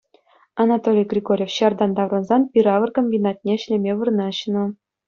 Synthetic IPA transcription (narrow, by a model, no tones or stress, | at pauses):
ɑnɑt̪olʲijɡrʲiɡorʲefɕɑrd̪ɑnd̪ɑvrɤ̆nzɑnpʲiɾɑʋɤ̆rkomʲbʲinɑt̪̚ʲnʲeɕlʲemʲeʋɯrnɑɕnɤ̆